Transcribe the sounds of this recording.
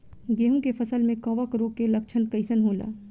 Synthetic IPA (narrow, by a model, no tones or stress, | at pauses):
ɡeːɦũkepʰɐsəlmẽkɐʋəkɾoːkelɐk̚t͡ʃʰənkəɪsənɦoːla̰ː